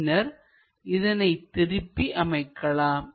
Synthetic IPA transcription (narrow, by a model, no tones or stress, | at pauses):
nɐɾ | ɪðɐnɐɪt̪ɪɾɪpːiʔɐmɐɪkːɐɭaːm